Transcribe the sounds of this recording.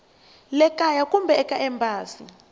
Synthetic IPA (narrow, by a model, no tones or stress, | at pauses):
lɛkʼajakʼumbʱɛɛkʼaʔɛmbʱaːsḭ